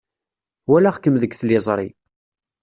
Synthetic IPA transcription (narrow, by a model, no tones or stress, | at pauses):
wælaχkəmðəɡθlɪzˤɾˤḭ